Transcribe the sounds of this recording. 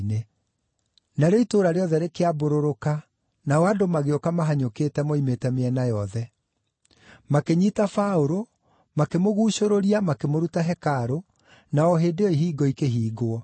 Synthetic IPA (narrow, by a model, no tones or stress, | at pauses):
ne | naɾeitoːɾaɾeɔðɛɾekeaboɾoɾoka | nawadomaɣeɔkamaɦaɲokeːtɛmoimetɛmeɛnajɔðɛ | makeɲitafaoɾo | makemoɣuːɕoɾoɾiamakemoɾutaɦɛkaɾo | naɔɦeːdeɔiɦiːɡɔikeɦiːɡoɔ